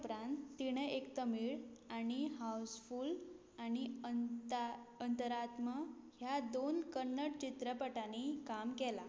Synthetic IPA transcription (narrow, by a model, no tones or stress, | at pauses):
pɾãnt̪ːiɽ̃eʔekt̪əmiɭaɽ̃iɦauwsful | aɽ̃i | ənt̪əɾat̪məhjad̪onkəɾnːəʈt͡ɕit̪ɾəpəʈanikamkɛla